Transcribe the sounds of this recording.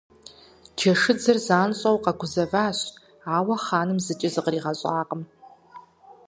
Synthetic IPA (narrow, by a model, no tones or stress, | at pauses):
d͡ʒɐʂɨd͡zɐrzaːnɕʼawqɑɡʷʊzɐvaːɕ | aːwɐχaːnɨmzɨt͡ʃʼɪzɨqriːʁaɕʼaːqʼəm